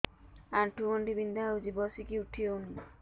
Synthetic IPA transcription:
anʈuɔnɖibind̪auzibɔsikiuʈʰioni

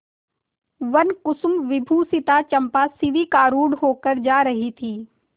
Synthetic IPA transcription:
ʋɐnkʊsmʋɪbʱuːsɪt̪at͡ʃɐ̃mpasɪʋikaːɾuːɽɦoːkəɾd͡ʒaːɾɐɦit̪ʰiː

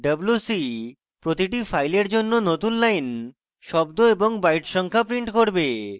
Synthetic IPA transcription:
ɖəblusi | pɾot̪iʈifajleɾd͡ʑonːonot̪unlajn | ʃɔbd̪oeboŋbajʈʃɔŋkʰapɾiɳʈkoɾbe

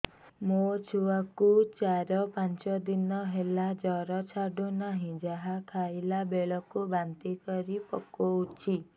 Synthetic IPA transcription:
mot͡ʃʰuakut͡ʃaɾɔpant͡ʃɔd̪inɔɦelad͡ʒɔɾɔt͡ʃʰaɖunaɦĩd͡ʒaɦakʰajlabeɭɔkubant̪ikɔɾipɔkout͡ʃʰi

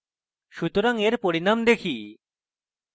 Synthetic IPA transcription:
ʃut̪oɾaŋeɾpoɾinamd̪ekʰi

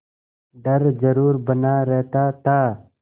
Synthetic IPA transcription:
ɖəɾzəɾuːɾbənaːɾeɦt̪aːt̪aː

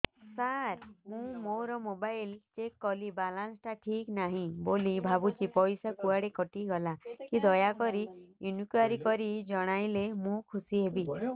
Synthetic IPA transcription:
saɾmũmoɾɔmobajlt͡ʃekːɔlibalansʈaʈʰiknaɦĩbolibʱabut͡ʃipɔjsakuaɽekɔʈiɡɔlakid̪ɔjakɔɾijunukaɾikɔɾid͡ʒɔɽ̃ajlemũkʰusiɦebi

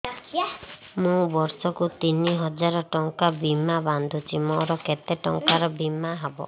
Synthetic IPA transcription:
mũbɔɾsɔkut̪iniɦɔd͡ʒaɾɔʈɔŋkabimaband̪ʱut͡ʃimɔɾɔket̪eʈɔŋkaɾɔbimːaɦɔbɔ̰

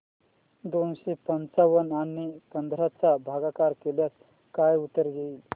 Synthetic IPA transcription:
d̪onɕepənt͡saʋənanipənd̪ʱɾat͡sabʱaɡakaɾkeljas | kajut̪ːəɾɡeil

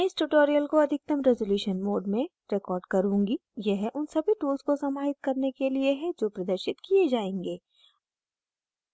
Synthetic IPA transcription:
mɛ̃ːɪsʈuʈoːɾijəlkoɐd̪ʱɪk̚t̪əmɾɛzoːljuːʃənmoːɖmẽ | ɾɛkɔːɾɖkɐɾũːŋɡijɛɦʔʊnsɐbʱiʈuːlzkosɐmaːɦɪt̪̚kɐɾnekelieɦɛ̃d͡ʒoːpɾɐd̪əɾʃɪt̪kied͡ʒaːẽːŋɡeː

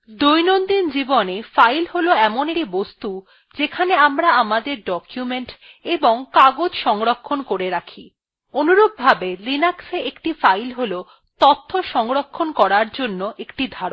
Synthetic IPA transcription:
d̪ujnond̪ind͡ʑibonefajlɦoloɛmoneɾibost̪u | d͡ʑekʰaneamɾaamad̪eɾɖɔkjumeɳʈ | eboŋkaɡod͡ʑʃɔŋɾokʰːonkoɾeɾakʰi | onuɾob̚bʱabelinakseekʈifajlɦolo | t̪ɔt̪ʰːoʃɔŋɾokʰːonkɔɾaɾd͡ʑonːoʔekʈid̪ʱaɾon

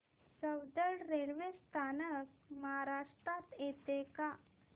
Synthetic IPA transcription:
səwd̪əɭɾelʋest̪ʰanək̚məɦaɾaʂʈɾat̪jet̪eka

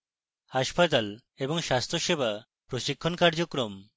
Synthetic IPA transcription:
haʃpat̪̬al | eboŋʃast̪ɾoʃebʱa | pɾoʃikʰːonkaɾd͡ʑokɾom

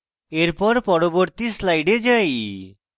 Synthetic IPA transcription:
eɾpɔɾpɔɽobɔɾt̪islajɖed͡ʒaj

